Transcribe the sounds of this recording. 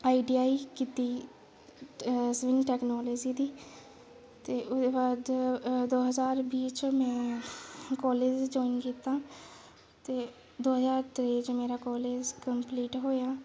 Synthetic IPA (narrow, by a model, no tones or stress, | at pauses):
aːiːɖiːaːiːkiːt̪iː | sʋɪŋʈɛːknɔːleːd͡ʒiːd̪iː | t̪eːʔʊd̪eːbaːd̪d̪oːɦəzaːɾbiːt͡ʃmɛ̃ː | kɔːleːd͡ʒd͡ʒɔːinkiːt̪ãː | t̪eː | d̪oːɦəzaːɾt̪ɾeːd͡ʒmeːɾaːkɔːleːd͡ʒkəmpliːʈɦoːjaː